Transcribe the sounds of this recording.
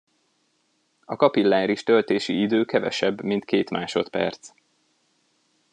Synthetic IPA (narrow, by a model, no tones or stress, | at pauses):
ɒkɒpilːaːnɾiʃt̪ølt̪eːʃiid̪øːkɛvɛ̰ʃɛbːmint̪keːt̪maːʃo̞t̪pɛ̰rt̪s